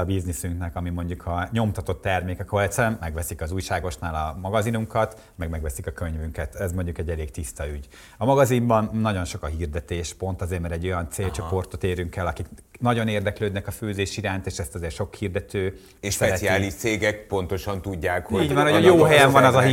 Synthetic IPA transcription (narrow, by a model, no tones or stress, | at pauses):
ɒbiznisyŋknɛkɒmimo̞ɲɟukʰɒɲo̞mt̪ɒt̪o̞t̪ːɛrmeːkɛkolt̪sɛmmɛɡʋɛsikɒzuːjʃaːɡo̞ʃnaːlɒmɒɡɒzinuŋkɒt̪ | mɛɡmɛɡʋɛsikɒkø̞ɲvyŋkɛt̪ɛzmo̞ɲɟukɛɟːɛleːkt̪ist̪ɒyɟ | ɒmɒɡɒzimbɒnːɒɟo̞nʃokɒɦiːrd̪ɛt̪eːʃpo̞nt̪ɒzeːrmɛɾɛɟːo̞jɒnt̪seːlt͡ʃo̞port̪o̞t̪eːɾyŋkɛlːɒkik | nɒɟo̞neːrd̪ɛkløːd̪nɛkɒføːzeːʃiɾaːnt̪eːʃɛst̪ɒzeːrʃo̞khiːrd̪ɛt̪øː | eʃsɛɛɛiaːlliʃt̪seːɡɛk̚po̞nt̪o̞ʃɒnt̪uɟːaːkhoiːɟvɒnojoːɦɛjɛmvɒnɒzɒɦi